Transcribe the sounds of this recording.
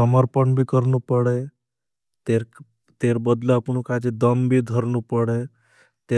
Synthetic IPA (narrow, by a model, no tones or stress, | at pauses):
əməɾpəɳbʱikəɾnupəɽe | t̪eɾ | t̪eɾbəd̪laəpɳukad͡ʒed̪əmbʱid̪ʱəɾnupəɽe | t̪e